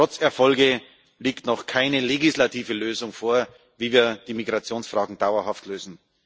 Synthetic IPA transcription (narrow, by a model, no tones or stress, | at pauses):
ʁɔt͡sɛɐfɔlɡə | liːktnɔχkʰaɪnəleɡɪslatʰiːvəløːzʊŋfoːɐ | viːviːɐd̥iːmiɡʁat͡sjoːnsfʁ̥aːɡŋ̩d̥aʊɐhaftløːzn̩